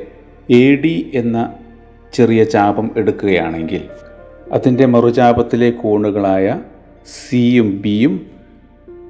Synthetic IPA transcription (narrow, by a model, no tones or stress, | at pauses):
eːɽiʔe̞nːɐ | t͡ɕerijɐt͡ɕaːbɐme̞ɽukːuɣɐja̰ːɳe̞ŋɡil | ɐ̰ðinde̞mɐrut͡ɕaːbɐt̪ːile̞kuːɳuɣɐɭaːjɐ | siumbijum